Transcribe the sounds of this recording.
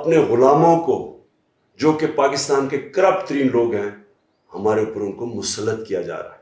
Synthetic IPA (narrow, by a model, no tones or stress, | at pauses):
ɐpneɣʊlaːmõko̰ | d͡ʒoːkepaːkɪst̪aːnkekɐɾəpt̪əɾiːnloːɡɦɛ̃ | hɐmaːɾeʊːpəɾʊnkomʊsəlːət̪kija̰d͡ʒa̰ːɾa̰ɦɛ